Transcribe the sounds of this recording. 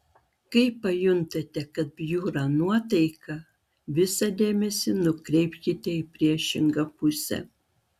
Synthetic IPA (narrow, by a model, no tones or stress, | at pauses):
kɐɪpɐjʊnt̪ɐt̪ʲɛkɐt̪̚bʲjuːɾɑnuɔt̪ɐɪkɐ | ʋʲɪsɐd̪ʲeːmʲɛsʲɪnʊkɾʲɛɪpʲkʲɪt̪ʲɛipʲɾʲiɛʃʲɪŋɡɐpʊsʲɛ̰